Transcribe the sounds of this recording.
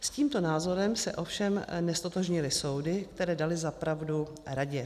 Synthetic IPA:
sciːmt̪o̞naːzo̞ɾɛmsɛ̰ʔo̞fʃɛmnɛst̪o̞t̪oʒɲɪlɪso̞wdɪkt̪ɛɾɛːdalɪzapɾavdu | ɾaɟɛ

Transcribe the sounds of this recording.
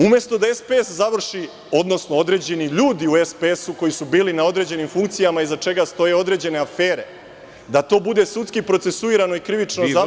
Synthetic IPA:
umje̞st̪o̞d̪ae̞speeszaʋr̩ʃi | o̞d̪no̞snoo̞d̪ɾe̞ːd͡ʑe̞niʎuːd̪iue̞spee̞suko̞jisubiːlinao̞d̪ɾe̞ːd͡ʑe̞nimfuŋkt̪sijamaizat͡ʂe̞ɡast̪o̞je̞o̞d̪ɾe̞ːd͡ʑe̞ne̞afe̞ːɾe̞ | d̪at̪o̞ːbud̪e̞sut̪skipɾo̞t̪se̞suiːɾano̞ikɾiʋit͡ʃnoza

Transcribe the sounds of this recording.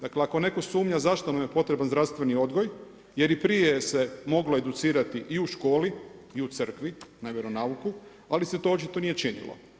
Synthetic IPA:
d̪akleako̞ne̞ko̞suːmɲazaʃt̪o̞namje̞po̞t̪ɾe̞banzɾafst̪ʋe̞nio̞d̪ɡo̞j | je̞ɾipɾijejsemo̞ɡloed̪ut̪siːɾat̪iʔiuʃko̞ːliiut̪sɨr̩kʋinaʋʲjeɾo̞nauku | aliset̪o̞ot͡ʃit̪o̞nije̞t͡ʃinḭlo̰

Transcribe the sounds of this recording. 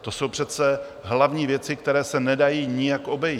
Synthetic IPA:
t̪o̞so̞wpr̥ɛt͡sɛ | ɦlavɲiːvjɛt͡sɪkt̪ɛɾɛːsɛnɛdajiːɲɪjakʔo̞bɛji

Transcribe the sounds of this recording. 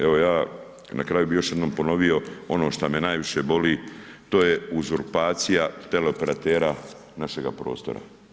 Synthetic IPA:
e̞ʋo̞jaː | nʔa̰kɾaːjubijo̞ʃje̞d̪noːmpo̞no̞ʋio̞o̞no̞ːʃt̪amenaːjʋiʃebo̞liː | t̪o̞ːje̞uzuɾpaːt̪sijat̪e̞leo̞pe̞ɾat̪eːɾa | naʃe̞ɡapɾo̞̰ːst̪o̞̰ɾa̰

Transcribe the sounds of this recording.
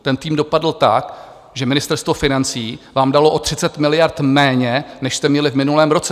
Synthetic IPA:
t̪ɛnt̪iːmdo̞padl̩t̪ak | ʒɛmɪnɪst̪ɛɾst̪vo̞fɪnant͡siːvaːmdalo̞ʔo̞t̪r̝̥ɪt͡sɛt̪mɪlɪjaɾt̪mɛːɲɛnɛʃst̪ɛmɲɛlɪvmɪnulɛːmɾo̞t͡sɛ

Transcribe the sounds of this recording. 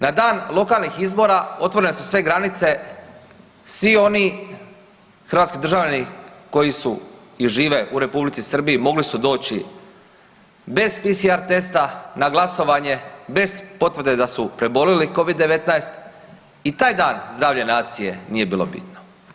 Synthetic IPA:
nad̪aːnlˠo̞kaːlˠnixizbo̞ːɾao̞t̪ʋo̞ɾenesusʋe̞ɡɾanit̪se̞ | sʋio̞ni | xɾrʋaːt̪skid̪ɾr̩ʒaʋʎaniko̞jisu | iʒiːʋe̞ʔuɾe̞publit̪sisr̩biimo̞ɡlisud̪o̞ːt͡ɕi | be̞zpisiaɾt̪e̞st̪anaɡlˠaso̞ʋaɲe̞be̞zpo̞t̪ʋrd̪ed̪asupɾe̞bo̞liliko̞ʋid̪ːe̞ʋe̞t̪naest̪ | it̪aːjd̪aːnzd̪ɾaːʋʎenaːt̪sije̞nije̞biːlˠo̞̰bḭt̪no

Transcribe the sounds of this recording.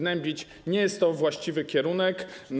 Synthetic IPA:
nɛmʲbʲit͡ɕ | ɲɛjɛst̪ːɔvwaɕt͡ɕivɘkʲɛɾunɛkn

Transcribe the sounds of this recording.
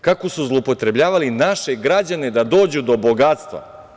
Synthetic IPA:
kako̞suzlˠopo̞t̪ɾe̞bʎaːʋalinaʃe̞ɡɾad͡ʑane̞d̪ad̪o̞ːd͡ʑud̪o̞bo̞ɡat̪st̪ʋa̰

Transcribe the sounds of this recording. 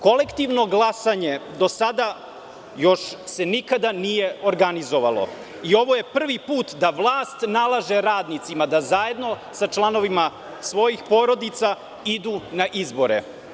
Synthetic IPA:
kole̞kt̪iʋno̞ɡlˠasaɲed̪o̞sad̪a | jo̞ʃse̞nikad̪anije̞oɾɡanizo̞ʋa̰lˠo̞̰ | io̞ʋo̞jepr̩ʋipuːt̪d̪aʋlˠaːst̪nalˠaʒeɾaːd̪nit̪simad̪azaje̞d̪no̞sat͡ʃlˠano̞ʋima | sʋo̞jixpo̞ɾod̪it̪sa | id̪uːnaʔizbo̞ɾḛ

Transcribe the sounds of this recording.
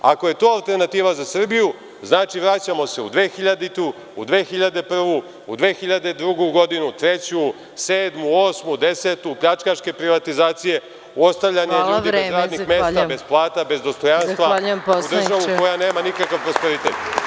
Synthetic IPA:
a̰ko̞je̞t̪oːalˠt̪e̞rɾnat̪iːʋazasr̩biju | znaːt͡ʃiʋɾat͡ɕamo̞se̞ṵd̪ʋe̞ːxiʎad̪it̪u | ud̪ʋe̞ːxiʎad̪e̞pr̩ʋu | ud̪ʋe̞ːxiʎad̪e̞d̪ɾuɡuɡo̞d̪inut̪ɾe̞t͡ɕu | seːd̪muo̞ːsmud̪e̞set̪upʎat͡ʃkaʃke̞pɾiʋat̪izaːt̪sije̞ | uo̞st̪aʋʎaɲeʎːieɾaːd̪nixme̞ːst̪abe̞zplˠaːt̪abe̞zd̪o̞st̪o̞janst̪ʋaaʎumdd̪r̩ʒaʋuko̞jane̞ːmanikakaʋpɾo̞spe̞ɾit̪ḛt̪

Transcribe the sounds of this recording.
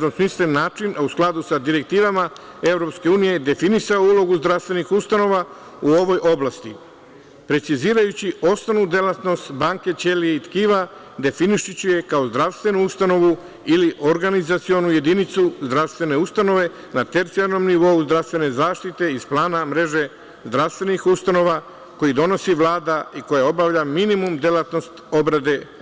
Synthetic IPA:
omsmislenːaːt͡ʃinusklˠad̪usad̪iɾe̞k̚t̪iːʋama | e̞vɾo̞pske̞uːnije̞d̪e̞finisaoulo̞ɡuzd̪ɾaʋst̪ʋe̞nixust̪ano̞ʋa | uo̞ʋo̞jʔo̞blast̪i | pɾe̞t̪siziːɾajut͡ɕio̞st̪anud̪e̞lat̪no̞st̪baŋke̞t͡ʃe̞lieit̪kiːʋa | d̪e̞finiʃit͡ɕuje̞kao̞zd̪ɾaʋst̪ʋe̞nuust̪ano̞ʋu | iliʔo̞ɾɡanizat̪sio̞nuje̞d̪init̪suzd̪ɾaʋst̪ʋe̞ne̞ust̪ano̞ʋe̞ | nat̪e̞ɾt̪siaɾno̞mniʋo̞uzd̪ɾaʋst̪ʋe̞ne̞zaːʃt̪it̪e̞izplˠaːnamɾe̞ʒe̞ | zd̪ɾaʋst̪ʋe̞nixust̪ano̞ʋa | ko̞jid̪o̞no̞siʋlˠaːd̪aiko̞jao̞baʋʎaminimumd̪elˠat̪no̞st̪o̞bɾad̪e̞

